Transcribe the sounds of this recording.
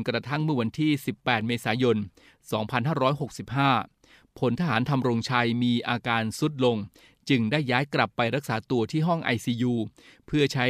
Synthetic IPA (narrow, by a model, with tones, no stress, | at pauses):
nkɾa˧t̪ʰa˥˩ŋmɯ˥˩ɐwa˧nt̪ʰiː˥˩si˨˩pːɛː˨˩t̪̚meː˧saː˩˦jo˧n | sɔː˩˦ŋpʰa˧nɦaː˥˩ɾɔː˦˥jɦo˨˩k̚si˨˩p̚haː˥˩ | pʰo˩˦nt̪ʰaː˧ɦaː˩˦nt̪ʰa˧mɾo˧ŋt͡ɕʰa˧jmiː˧ʔaː˧kaː˧nsu˦˥t̪̚lo˧ŋ | t͡ɕɯ˧ŋdaː˥˩jːaː˦˥jkla˨˩pːa˧jɾa˦˥k̚saː˩˦t̪u˧ɐt̪ʰiː˥˩ɦɔ˥˩ŋʔa̰˧jsiː˧juː˧pʰɯ˥˩ɐt͡ɕʰa˦˥